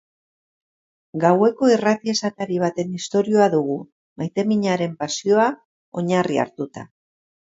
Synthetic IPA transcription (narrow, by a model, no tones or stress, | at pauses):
ɡawe̞ko̞irat̪ie̞sat̪aɾiβ̞at̪e̞nist̪o̞ɾio̞aðuɣ̞u | majt̪e̞miɲaɾe̞mpasio̞a | o̞ɲaria̰ɾt̪ut̪a̰